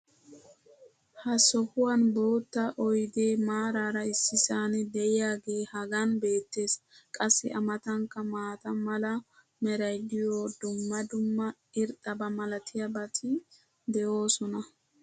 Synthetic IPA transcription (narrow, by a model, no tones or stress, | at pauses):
hɐsɔhʊwɐnbo̞ːt̪ːɐʔɔjd̪e̞ːmaːɾaːɾɐɪsːɪsaːnɛd̪ɛʔɪjaːɡe̞ːhɐɡɐnbe̞ːt̪ːe̞ːskʼɐsːɪʔɐmɐt̪ɐŋkːɐmaːt̪ɐmɐlɐ | mɛɾɐjd̪ɪjoːd̪ʊmːɐd̪ʊmːɐ | ɪɾt̪ʼːɐbɐmɐlɐt̪ʰɪjɐbɐt̪ʰɪ | d̪ɛʔo̞ːsɔnɐ